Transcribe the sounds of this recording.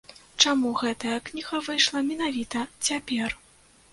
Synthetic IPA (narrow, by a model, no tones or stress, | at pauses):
t͡ʂamuɣɛt̪ɐjɐknʲiɣɐvɨjʂlˠɐmʲɛn̪avʲit̪ɐt͡sʲapʲɛr